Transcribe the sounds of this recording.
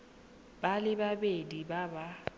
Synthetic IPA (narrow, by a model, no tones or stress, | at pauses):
b̥alɪbabedibaba